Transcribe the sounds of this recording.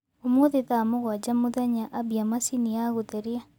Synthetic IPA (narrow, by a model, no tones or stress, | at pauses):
omoðeðamoɣwad͡ʒamoðaɲaʔabiamasiniaɣoðɛɾia